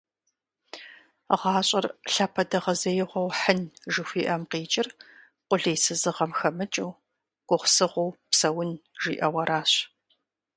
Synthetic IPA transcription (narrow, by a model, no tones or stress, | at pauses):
ʁɑːɕʼɐrɬapʰɐdɐʁɐzɐjɪʁʷɔwħənʒɨxʷiːʔɐmqiːt͡ʃʼɪr | qʷʊɮɐjsɨzɨʁɐmxɐmɨt͡ʃʼɐw | ɡ̥ʷʊχʷsɨʁʷowpsɐwʊnʒ̥ḭːʔɐwɐɾʔaːɕ